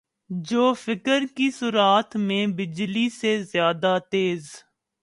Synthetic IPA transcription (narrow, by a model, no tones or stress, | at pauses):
d͡ʒoːfɪkəɾkisʊɾaːt̪mẽbɪd͡ʒlisezjaːd̪at̪eːz